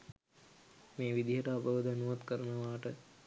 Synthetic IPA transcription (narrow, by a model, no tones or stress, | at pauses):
meːʋid̪iɦəʈəapəʋəd̪ʱanuʋat̪kəɾənəʋaːʈə